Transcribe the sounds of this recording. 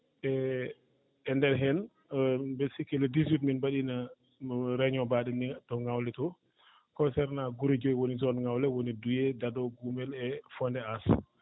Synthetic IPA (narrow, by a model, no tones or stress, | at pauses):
ʔɛ | ndɛɾɦɛn | besikɛlɛdizwitminbaɗina | ɾɛɲɔbaɗɛnitɔŋawlɛtɔ | kɔnsɛɾnaɡuɾed͡ʒɔjwonizɔnŋawlɛwonidujɛdadɔɡumɛlɛfɔndɛas